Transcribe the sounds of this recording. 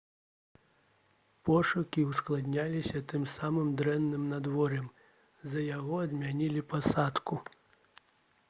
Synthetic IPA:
pɔʂukʲiwsklˠad̪nʲalʲisʲɐt̪ɨmsamɨmd̪ɾɛnːɨmnad̪vɔɾɛm | zɐjaɣɔɐd̪mʲanʲilʲipasat̪ku

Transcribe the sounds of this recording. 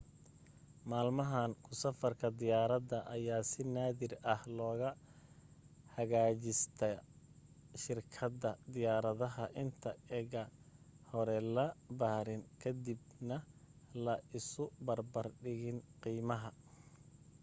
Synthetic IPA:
maːlmɐɦaːnkʰʊsɐfɐrkʰɐd̪ɪjaːɾɐd̪ɐʔɐjaːsɪnaːðɪrɐhlɔːɣɐ | hɐɣaːt͡ʃɪst̪ʰɛ | ʃɪrkʰɐdɐd̪ɪjaːɾɐðɐɦɐʔɪnt̪ʰɐɛɣɐhɔɾɛlɐbaːɾɪnkʰɐd̪ibnɐlɐɪsʊbɐrbɐrɖɪɣɪnqiːmɐɦɐ

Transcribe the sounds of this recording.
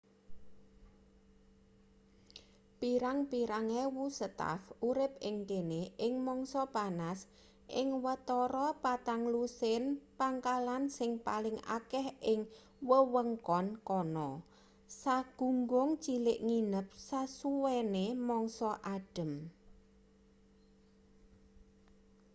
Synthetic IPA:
piɾaŋpiɾaŋewusət̪a̰fuɾɪp̚ɪŋkeneʔɪŋmɔŋsɔpanas | ʔɪŋwət̪ɔɾɔpat̪aŋlusɪnpaŋkalansɪŋpalɪŋa̰kɛhʔɪŋ | wəwəŋkɔnkɔnɔ | saɡ̥ṳŋɡʊŋt͡ʃilɪʔŋinəp̚sasuwenemɔŋsɔʔaɖ̥ə̤m

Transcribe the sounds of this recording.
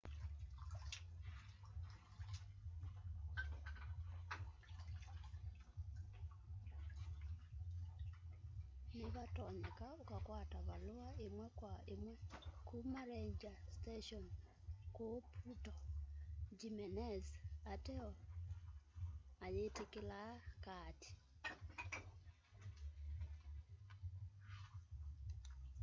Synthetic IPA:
niβatɔɲekaukakwataβaloaemwɛkwaemwɛkumaɾeɲd͡ʒasteʃɔn | kopʰutɔ | d͡ʒimɛnɛzatɛɔ | ajetekelakati̥

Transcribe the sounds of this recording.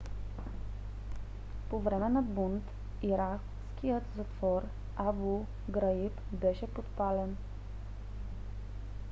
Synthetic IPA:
povɾɛmɛnabunt̪ | iɾak | skʲijət̪zat̪fɔɾ | abu | ɡɾajipbɛʃɛpot̪palɛn

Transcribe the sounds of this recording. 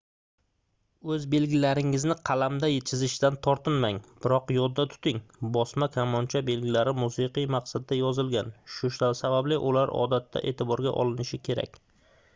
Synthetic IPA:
ɵzbe̞lɡʲɪlaɾɪŋɪznɪqʰɑlamd̪ajet͡ʃʰɪzɪʃɪd̪ant̪ʰɒɾt̪ʰɪnmaŋb̥ɪɾɒqjɒd̪ːat̪ʰʊ̥t̪ɪŋbɒsmakʲʰamɒnt͡ʃʰabe̞lɡʲɪlaɾɪmusɨqɨjmaqsad̪ːajɒzɪlɡʲanʃʊʃasabablɪʔʊlaɾɒ̰d̪at̪ʰːa̰ʔe̞̰ːt̪ʰɪbɒɾɡʲa̰ʔɒ̰lɪnɪʃɪkʲʰe̞ɾa̰kʲ

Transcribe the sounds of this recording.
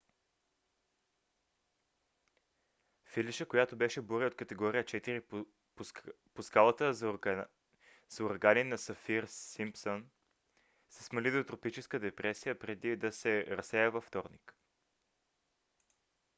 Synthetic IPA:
filiʃəkojat̪obɛʃɛboɾiot̪kət̪ɛɡɔɾiət͡ʃɛt̪iɾi | poskalˠət̪ə | zoɾɡaninɐsɐfiɾsimpson | sɛ̥smɐlid̪ot̪ɾopit͡ʃɛskəd̪ɛpɾɛsijəpɾɛd̪id̪ɐsɛɾɐsɛjəvɐft̪ɔɾnik

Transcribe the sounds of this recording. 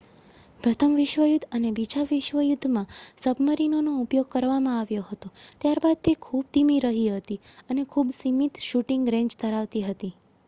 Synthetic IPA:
pɾət̪ʰəmʋɪʃʋəjud̪ʱənebid͡ʒaʋɪʃʋəjud̪ʱːmãsəbʱməɾinonoupjoɡ̚kəɾʋamãaʋjoɦət̪ot̪jaɾbad̪̚t̪ekʰub̚t̪imiɾəɦiɦət̪iənekʰubsimit̪ʃuʈĩŋɡɾẽɲd͡ʒt̪ʰəɾaʋt̪iɦət̪i

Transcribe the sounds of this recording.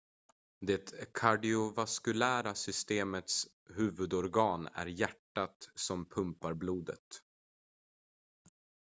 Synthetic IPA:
d̪ɛt̪kʰaɖɪʊvaskɵlæːɾasʏst̪eːmət̪s | hʉ̟ːvɵd̪ɔɾɡɑːnæ̰ɾjæʈːat̪sɔmpʰɵmpaɾbluːd̪ə̰t̪

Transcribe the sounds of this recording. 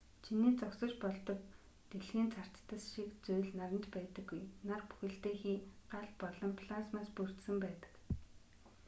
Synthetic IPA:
t͡ɕʰiniːt͡sɔksə̆t͡ɕpɔɮt̪ɞ̆k | t̪eɮxiːnt͡sʰar̥t͡ɕt̪ə̆sʃikt͡sujɮnaɾə̆nt͡ɕpæːt̪ə̆ɡːujnarpu̥xɘ̆ɬt̪eːxiːɢ̥aɮpɔɮɞ̆mpʰɮasmaːspur̥t̪sɘ̆mpæːt̪ə̥̆k

